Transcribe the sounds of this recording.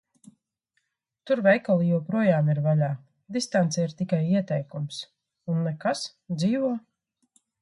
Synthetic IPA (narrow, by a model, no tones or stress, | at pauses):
t̪uɾvɛjkalˠijuwpɾuɔjaːmiɾvalʲaː | d̪ist̪ant̪sɛiɾt̪ikajiɛt̪ɛjkums | unːɛkas | d̪ziːvuɔ